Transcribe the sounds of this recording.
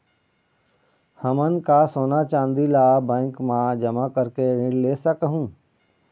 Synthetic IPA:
həmənkasoːnat͡ʃãːnd̪ilabɛ̃ːŋkmãd͡ʒəmakəɾkeɾɪ̃ɽleːsəkəɦũː

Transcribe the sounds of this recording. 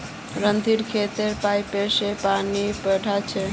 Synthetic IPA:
ɾənd̪ʱiɾkʰet̪eɾpajpesepanipəɽʱat͡ʃʰɛ

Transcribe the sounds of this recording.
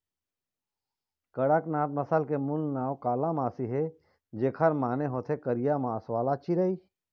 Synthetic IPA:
kɐɽəknaːt̪̚mɐsəlkemʊnnaːwkaːlamaːsiɦe | d͡ʒeːkʰəɾmaːneɦoːt̪ʰekəɾijamaːswaːlat͡ʃiɾəiː

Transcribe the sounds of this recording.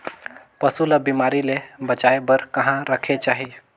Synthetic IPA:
pəsuləbimaɾilebət͡ʃaebəɾkəɦãɾəkʰet͡ʃaɦi

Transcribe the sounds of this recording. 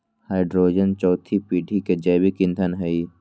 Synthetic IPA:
haɪɖɾoːd͡ʒənt͡ʃɔːt̪ʰipiːɖʱiked͡ʒɐːbikɪ̃nt̪ʰənɦəi

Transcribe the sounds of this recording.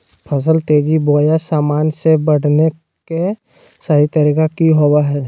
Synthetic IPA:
pʰəs̬əlt̪eːd͡ʒiboːjasaːmaːnsebəɽ̤ne | ke | səɦit̪əɾiːkakiɦowaɦɛː

